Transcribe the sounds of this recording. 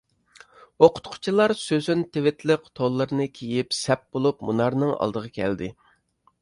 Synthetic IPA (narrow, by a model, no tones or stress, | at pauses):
oqʰʊ̥t̪qʰʊ̥t͡ʃʰilˠɑɾsøzynt̪ʰɪvɪt̪ʰlɪqt̪ʰolˠːɨɾɨnɨkʲʰijipsɛp̚bolˠup̚munɑɾnɨŋɑ̰lˠd̪əʁɑkʲʰɛ̰ld̪ɪ